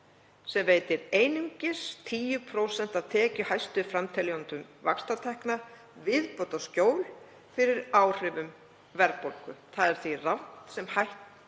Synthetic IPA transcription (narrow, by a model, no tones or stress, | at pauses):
sɛmveːjt̪ɪɾeːjniɲcɪst̪ʰiːjʏpʰɾowsɛn̥t̪aðt̪ʰɛːcʏhajst̪ʏfɾamt̪ʰɛliɔnt̪ʏmva̰kst̪at̪ʰɛhkna | vɪðpot̪ascoːwl | fɪɾɪɾaːwr̥ɪvʏm | vɛɾpolkʏθaðɛɾ̥θvirawn̥t̪sɛmhajht̪